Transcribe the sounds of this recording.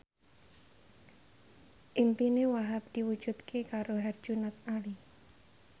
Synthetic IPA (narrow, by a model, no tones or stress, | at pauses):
ʔimpinewaɦap̚d̪̥iwud̥d͡ʒ̥ut̪kʰekaɾoɦard̥ʒ̥unat̪̚ali